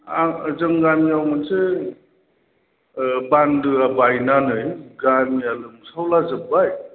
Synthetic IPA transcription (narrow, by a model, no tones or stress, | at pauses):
azɯŋɡamiawmanse | bandɯabajnanɯjɡanialɯmsawlazɯbaj